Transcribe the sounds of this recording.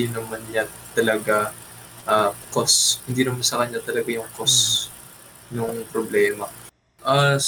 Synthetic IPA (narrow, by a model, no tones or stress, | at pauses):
nɐmanjant̪ɐlɐɡa | ʔakoshɪnd̪iːnɐmansɐkɐɲːat̪ɐlɐɡajʊŋkos | nʊŋpɾoblɛːmɐ | ʔa